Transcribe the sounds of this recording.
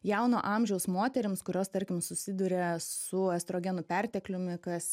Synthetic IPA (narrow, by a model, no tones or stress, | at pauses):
jɛʊno̰ːʔɑmʲʒʲɛʊsmoːt̪ʲɛɾʲɪmskʊɾʲoːst̪ɐɾʲkʲɪmsʊsʲɪd̪ʊɾʲɛsʊɛst̪ɾoːɡʲɛnʊpʲɛɾʲt̪ʲɛklʲʊmʲɪkɐs